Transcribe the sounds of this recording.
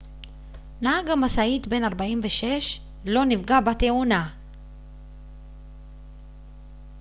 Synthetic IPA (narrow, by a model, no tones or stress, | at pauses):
naaɡamasait̪be̞naʁbaimveʃe̞ʃ | lo̞nivɡabat̪euna